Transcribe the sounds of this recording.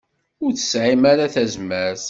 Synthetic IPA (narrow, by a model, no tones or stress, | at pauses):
ʊɾθə̥sʕimaɾaθæzmæɾ